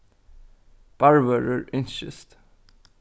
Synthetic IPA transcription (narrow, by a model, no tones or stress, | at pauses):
b̥ɑɹvəɹəɹɪnʃə̰st̪